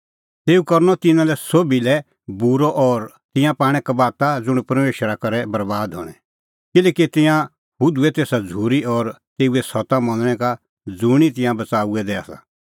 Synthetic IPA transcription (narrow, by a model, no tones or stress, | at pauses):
t̪eːukɐɾnɔt̪ɪnãlɛsobilɛ | buɾɔʔɔɾ | t̪ɪ̃jãpaːɽ̃ɛkabaːt̪ad͡zʊɽ̃pɐɾmeːʃəɾakɐɾɛbɐɾbaːd̪ɦɔ̰ːɽ̃ɛ | kɪlɛːkit̪ɪ̃jã | ɦʊd̪uɛt̪eːsad͡zʱuːɾiɔɾt̪eːuɛsɔt̪amɐ̃nɽ̃ɛka | d͡zʊɽ̃it̪ɪ̃jãbɐt͡saːuɛd̪ɛa̰sa̰